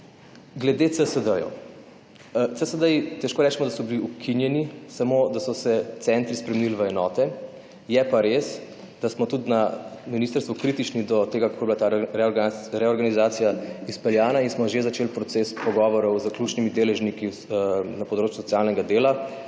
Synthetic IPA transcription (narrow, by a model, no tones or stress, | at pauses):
ɡlɛd̪et̪səsəd̪əjɔ̰ | t̪səsəd̪əjit̪ɛʃkoːɾɛːt͡ʃɛmɔd̪asɔbiliukʰinjɛnisamod̪asɔsɛt̪sɛnt̪ɾispɾɛmenilʋəɛnɔːt̪ɛ | jɛpaɾes | d̪̥asmɔt̪ut̪naminist̪əɾst̪ʋukɾit̪it͡ʃnid̪ɔt̪eːɡakakoːbilat̪a | ɾɛɔɾɡanizaːt̪sijaispɛljaːnainsmɔʒezat͡ʃeːlpɾɔt̪sespɔɡɔʋɔɾɔwzəklʲut͡ʃnimid̪eːlɛʒniki | napɔd̪ɾoːt͡ʃjusɔtsijaːlnɛɡad̪eːla